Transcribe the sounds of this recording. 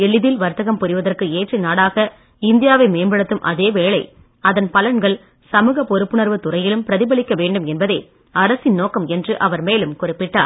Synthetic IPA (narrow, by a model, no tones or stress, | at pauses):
ɛɭːɪðɪlʋɐɾt̪ːɐɣɐmpʊɾɪʋɐðɐrkɯeːʈrɐɪnaːɽaːɣɐ | ɪnd̪ɪjaːʋɐɪmeːmbɐɽɐt̪ːɯmʔɐ̰ðeːʋeːɭɐɪ | ɐðɐnpɐlɐɳɡɐɭ | sɐmɯːɣɐpɔɾɯpːɯnɐɾʋɯt̪ʊrɐjɪlɯmpɪɾɐðɪbɐɭɪkːɐʋeːɳɖɯmɛnbɐðeː | ɐɾɐsɪnnoːkɐmɛndrɯʔɐʋɐɾmeːlɯmkʊrɪpːɪʈːa̰ːɾ